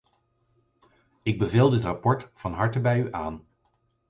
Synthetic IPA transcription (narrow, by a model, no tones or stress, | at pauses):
ɪɡ̚bəveːlˠdɪtrapɔɹtfɑnɦɑɹtəbɛjyʔaːn